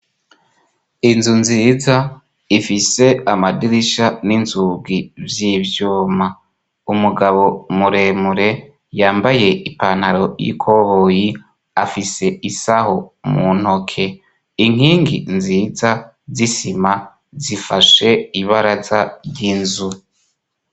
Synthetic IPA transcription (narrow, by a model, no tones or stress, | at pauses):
inzunziːza | ifise̞amadiɾiʃaninzuɡivjivjuːma | umuɡaβo̞muɾe̞muɾe̞ | jaːmbajeipaːnhaɾo̞jḭkʰo̞βoːji | afise̞isaho̞mun̥ho̞kʰe̞ | iŋ̥iːŋɡinziːza | zisima | zifaʃe̞iβaɾazaɾɟinzu